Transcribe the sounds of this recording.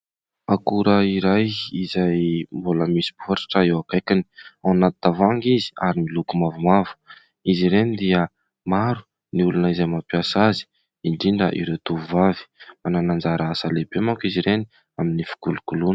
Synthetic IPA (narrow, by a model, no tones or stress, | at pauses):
akuɾəiɾajizajmbuləmisi̥buɦaɾḁʈ͡ʂəewapekini̥awnat̪t̪avaŋɡizi̥aɾimilukumavumavu̥ | iziɾenid̪iə | maɾu̥ | niulunəizajmapiasazi̥ | iɳɖ͡ʐiɳɖ͡ʐə̰ʔḭɾewt̪uvuvavi̥mananand͡zaɾaasalebemakiziɾeni | aminifu̥kulukulunə